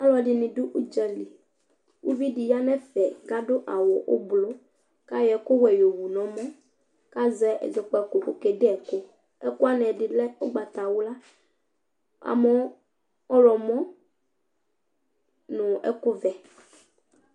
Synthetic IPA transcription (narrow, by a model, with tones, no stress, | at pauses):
a˦lɔ˨ɖi˨nĩ˨ɖu˦ʔu˦d͡ʒɛ˦li˨ | wṵ˦vi˦ɖi˨ja˦nɛ̃˦fɛ˨ɡa˦ɖo˦ʔa˨wo˨ʔo̰˦blo˦ | ka˦jɛ˨ko˦wɛ˨jo˨wu˨nɔ̃˨mɔ̃˦ | ka˦zɛ̰˦˨zɛ˨k͡pɔ˨˦ɛ˨ko˨ko˨kɛ˨ɖe˦ɛ˨ko˦ | ɛ˦ko˦a˦nɛ̃˨ɖi˨lɛ˦o˦ɡ͡ba˨t̪a˨wu˦la˦ | a̰˨mɛ˦ | ɔ˦lɔ˨mɔ̃˦ | nũ˨ɛ̰˦ko˦vɛ˨